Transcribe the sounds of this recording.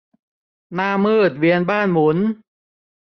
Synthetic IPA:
naː˥˩mːɯː˥˩t̪̚wi˧ənbaː˥˩nmu˩˦n

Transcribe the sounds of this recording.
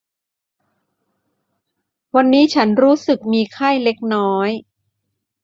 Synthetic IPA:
wa˧nːiː˦˥t͡ɕʰa˦˥nɾuː˦˥sɯ˨˩k̚miː˧kʰa˥˩jle˦˥k̚nɔː˦˥j

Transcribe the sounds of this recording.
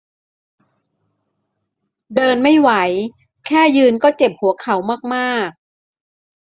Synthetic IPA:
dɤː˧nma˥˩jwa˩˦j | kʰɛː˥˩jɯː˧nkɔː˥˩t͡ɕe˨˩p̚hu˨˩˦kʰa˩˦wmaː˥˩k̚maː˥˩k̚

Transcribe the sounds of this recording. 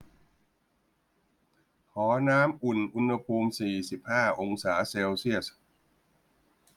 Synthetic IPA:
kʰɔː˩˦naː˦˥mʔu˨˩nʔu˧nha˧pʰuː˧msiː˨˩si˨˩p̚haː˥˩ʔo˧ŋsaː˩˦seː˧wsi˥˩əs

